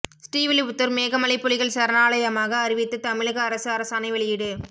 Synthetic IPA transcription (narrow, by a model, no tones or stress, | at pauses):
sʈiːʋɪliʊt̪ːɯɾmeːɣɐmɐɭɪpːʊɭɪɣɐɭsɐɾɐnaːɭɐjɐmaːɣɐːɾɪʋɪt̪ːɯt̪ɐmɪɻɯɣɐːɾɐsɯɐɾɐsɐnɐɪʋɐɭɪjɪɽɯ